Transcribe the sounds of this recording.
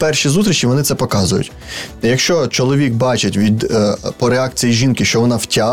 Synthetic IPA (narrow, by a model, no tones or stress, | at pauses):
pɛrʃizut̪ɾʲit͡ʃiʋɔnɪt̪sɛpɔkɑzʊjʊ̰tʲ | jɐkʃt͡ʃɔt͡ʃɔlˠɔʋʲik̚bɑt͡ʃɪtʲʋʲid̪pɔɾeɑk̚t͡sʲijiʒʲinkɪʃt͡ʃɔʋɔnɑwtʲɑ